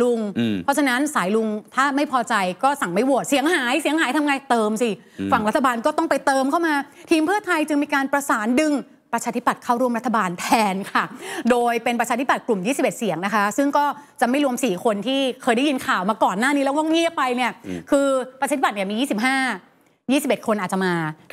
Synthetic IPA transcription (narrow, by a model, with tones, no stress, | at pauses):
lu˧ŋpʰɔ˦˥t͡ɕʰa˧na˦˥nsaː˩˦jlu˧ŋt̪ʰaː˥˩ma˥˩jpʰɔː˧t͡ɕa˧jkɔː˥˩sa˨˩ŋma˥˩jwu˨˩ət̪̚si˨˩˦əŋhaː˩˦jsi˨˩˦əŋhaː˨˩˦jt̪ʰa˧mŋaː˧jt̪ɤː˧msi˧˩ | fa˨˩ŋɾa˦˥t̪ʰːa˧baː˧nkɔː˥˩t̪ɔ˥˩ŋpa˧jt̪ɤː˧mkʰa˥˩wmaː˧t̪ʰiː˧mpʰɯ˥˩ɐt̪ʰa˧jt͡ɕɯ˧ŋmiː˧kaː˧npɾa˧saː˩˦ndɯ˧ŋ | pɾa˧t͡ɕʰaː˧t̪ʰi˦˥˩pːa˨˩t̪̚kʰa˥˩wɾu˥˩əmɾa˦˥t̪ʰːa˧baː˧nt̪ʰɛː˧nkʰa˥˩doː˧jpe˧npɾa˧t͡ɕʰaː˧t̪ʰi˦˥pa˨˩klu˨˩mjiː˥˩si˨˩e˨˩t̪̚si˨˩˦əŋna˦˥kʰa˦˥sɯ˥˩ŋkɔː˥˩t͡ɕa˨˩ma˥˩jɾu˧əmsiː˨˩kʰo˧nt̪ʰiː˥˩kʰɤː˧jda˥˩ji˧nkʰaː˨˩wmaː˧kɔː˨˩nːaː˥˩niː˦˥lɛ˦˥kt̪ɔ˥˩ŋi˥˩əpːa˧jni˥˩ɐkʰɯː˧pɾt͡ɕaː˧i˥pa˩i˥˩miː˧jiː˥˩si˨˩p̚ɦaː˥˩ | jiː˥˩si˨˩p̚e˨˩kʰo˧nʔaː˨˩t̚t͡ɕa˨˩maː˧